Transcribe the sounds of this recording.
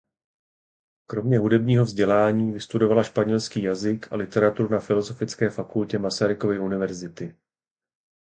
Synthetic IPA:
kɾo̞mɲɛɦudɛbɲiːɦo̞vzɟɛlaːɲiːvɪst̪udo̞valaʃpaɲɛlskiːjazɪka̰lɪt̪ɛɾat̪uɾunafɪlo̞zo̞fɪt͡skɛːfakulcɛmasaɾɪko̞vɪunɪvɛɾzɪt̪ɪ

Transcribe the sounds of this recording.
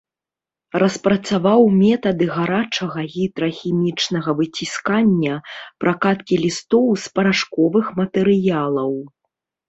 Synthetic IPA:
rɐspɾɐt̪savawmʲɛt̪ɐd̪ɨɣaɾat͡ʂɐɣɐɣʲid̪ɾɐxʲimʲit͡ʂnɐɣɐvɨt͡sʲiskanʲːɐpɾʔakat̪kʲilʲist̪ɔwspɐɾaʂkɔvɨxmɐt̪ɛɾɨjalˠɐw

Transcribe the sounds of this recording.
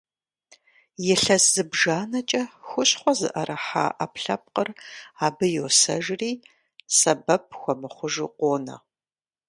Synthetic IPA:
jɪɬɐsɨbʒaːnɐt͡ʃʼɐxʷʊɕχʷɔzɨʔɐɾʔɐħa̰ːʔɐpɬɐp̚qəraːbɨjoːsɐʒriː | sɐbɐp̚ʰxʷɔmɨχʷʊʒuqʷoːnɐ̰

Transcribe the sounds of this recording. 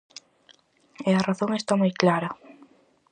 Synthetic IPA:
eɐraθoŋest̪amujklaɾɐ

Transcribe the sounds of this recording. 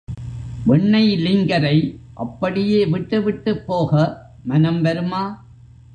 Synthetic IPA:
ʋɛɳːɐɪlɪŋɡɐɾɐɪʔɐ̰pːɐɽɪjeːʋɪʈːɯʋɪʈːɯpːoːɣɐ | mɐnɐmʋɐɾɯmaː

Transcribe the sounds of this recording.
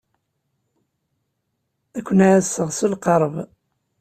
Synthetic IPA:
ækʷːənaʕæsəʁsulqəɾˤv

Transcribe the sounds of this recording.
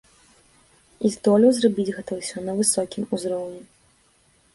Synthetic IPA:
izd̪ɔlʲɛwzrabʲid͡zʲɣɛt̪ɐsʲɔnɐvɨsɔkʲimuzɾɔwnʲɛ

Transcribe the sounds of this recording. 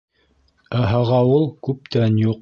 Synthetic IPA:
æɦɑʁɑulˠkʉp̚t̪ænjuq

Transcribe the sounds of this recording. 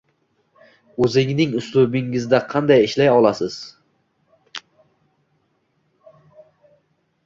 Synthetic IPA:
ɵzɪŋnɪŋʊslʊbɪŋɪzd̪aqʰɑnd̪ajɪʃlajɒlˠasɪz̥

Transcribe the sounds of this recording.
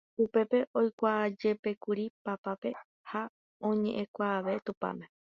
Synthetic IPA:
upe̞pe̞ʔo̞jkʷaːd͡ʒe̞pe̞kuɾipapape̞ | ha | õ̞ɲẽ̞ʔẽkʷaːʋe̞t̪upa̰mẽ̞

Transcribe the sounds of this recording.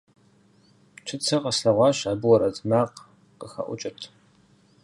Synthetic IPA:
t͡ʃʰɨt͡sʰɐqɐsɬɐʁʷɑːɕaːbɨwɔɾɐzʼmaːq | qəxɐ̰ʔʷʊ̰t͡ʃʼɪrtʰ

